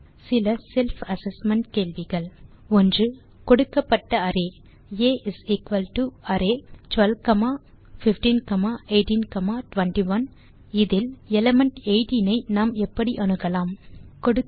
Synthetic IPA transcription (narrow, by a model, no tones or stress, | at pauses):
sɪlɐsɛlfɐsɛsmɛɳʈkeːɭʋɪɣɐɭ | ɔndrɯ | kɔɽɯkːɐpːɐʈːɐɐɾeː | eːʔɪsikʋɐlʈuɐɾeːʈʋɐlʋkɐmaː | fɪfʈiːnkɐmaːʔeɪʈĩnkɐmaːʈʋɐɳʈiʋɐn | ɪðɪlɛlɐmɐɳʈeɪʈinɐɪnaːmɛpːɐɽiʔɐnɯɣɐlaːmkɔɽɯ